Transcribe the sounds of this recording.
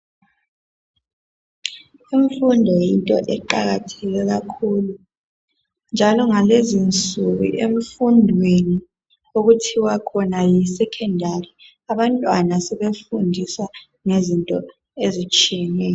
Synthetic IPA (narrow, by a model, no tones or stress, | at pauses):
iɱfundʱɔjintʼɔ̰ʔɛǃaɣatʰɛɣɛɣakʰuːlu | nd͡ʒʱalɔŋalezint͡sʼuɣṵʔeɱfundʱweni | oɣutʰiwakʰɔnajisɛkʰɛndʱari | aβantʼwanasɛβefundʱiswa | ŋezintʼɔ | ezit͡ʃʼijɛnɛːɔ